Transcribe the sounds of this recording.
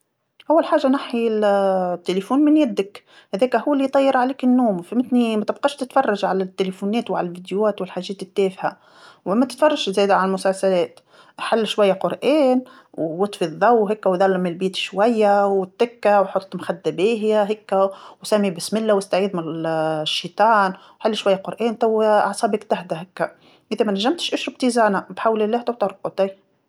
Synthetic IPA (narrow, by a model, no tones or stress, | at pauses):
ʔawːalħaːʒːanaħi | t̪ːelefuːnmɪnjæd̪ːɪk | hæðɛːkæhʊwːælːit̪ˤɑjːɑɾˤʕaleːkɪnːuːmfimɪt̪nimæt̪ɪbqɑʃt̪ɪt̪fɑrˤːɑʒʕalæt̪ːelefunɛːt̪wʕa̰lælvid̪jwæːt̪wɪlħaːʒːɛːt̪ɪt̪ːɛːfha | wmæt̪ɪ̥t̪fɑrˤːɑʒʃzæːd̪ʕalælmʊsalsælɛːt̪ | ħalːʃwajːaqʊɾʔɛːn | wːɑt̪ˤfiðˤːɑwɦɪkːawd̪ˤɑlːamɪlbiːt̪ʃwajːawɪt̪ːɪkːawħot̪ˤːmxad̪ːabiːɦjaɦɪkːawsamːibɪsmɪlːawɪst̪aʕiːd̪mɪʃːiːt̪ˤɑːnwħalːʃwajːaqʊɾʔɛːnt̪awʕɑsˤɑːbɪkt̪ahd̪aɦɪkːa | ʔɪðæmænaʒːamt̪ɪ̥ʃʔʊʃɾʊb̚t̪iːzaːnabħawlɪlːæːht̪awt̪ɑɾˤqɑt̪a